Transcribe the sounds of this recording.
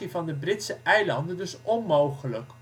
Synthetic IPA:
ivɑndəbrɪtsəʔɛjlɑndəndɵsʔɔnmowχələk

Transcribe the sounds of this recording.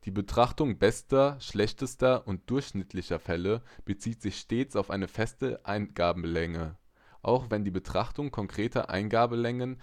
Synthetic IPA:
d̥iːbətʁ̥aχtʊŋbɛstɐʃlɛçtəstɐʔʊnt̚d̥ʊɐçʃnɪtʰlɪçɐfɛləb̥ət͡siːtz̥ɪçʃteːt͡saʊfʔaɪnəfɛstəʔaɪnɡ̥aːbm̩lɛŋə | ʔaʊxvɛndiːbətʁ̥aχtʊŋkʰɔŋkʁ̥eːtɐ̰ʔa̰ɪnɡaːbəlɛŋən

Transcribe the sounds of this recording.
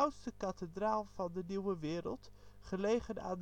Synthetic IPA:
wtstəkɑtədraːlˠvɑndəniwəʋɪːɾə̰lˠtχəlejχəna̰ːnd

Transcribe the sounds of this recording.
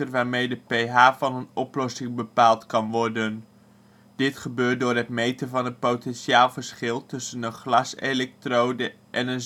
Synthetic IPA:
tərʋaːɹmejdəpejɦaːvɑnənɔplɔsɪŋbəpaːlˠtkɑnʋɔrdən | d̥ɪtχəbøːrt̚dʊːɹrɦətmejtəvɑnət̚powtɛnʃaːlˠvəɹsχɪlˠtɵsənənχlɑsḛlɛk̚trowdə | ʔɛnən

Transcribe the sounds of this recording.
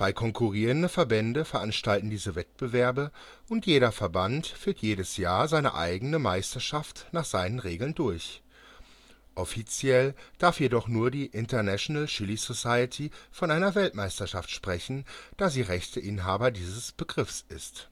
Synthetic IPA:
v̥aɪkʰɔŋkʰuʁiːʁəndəfɛɐbɛndəfɛɐʔanʃtaltn̩diːzəvɛt̚b̥əvɛɐbə | ʔʊntjeːɾɐfɛɐbantfyːɐtʰjeːɾəsjaːɐzaɪnə̰ʔa̰ɪɡənəmaɪstɐʃaftnaːχz̥aɪnənʁeːɡl̩ndʊɐç | ʔɔfit͡sjɛld̥aɐfjedɔχnuːɐdiːʔɪntɐnaʃonalʃɪlisosaɪətʰifɔnʔaɪnɐvɛltmaɪstɐʃaftʃpʁ̥ɛçn̩d̥aːziːʁɛçtʰəʔɪnɦaːbɐdiːzəsb̥əɡʁɪfsɪst

